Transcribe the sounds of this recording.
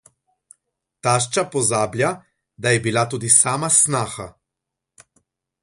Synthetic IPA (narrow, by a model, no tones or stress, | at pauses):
t̪aːʃt͡ʃapɔzaːblʲja | d̪ajɛbilat̪uːd̪isaːmasnaːxa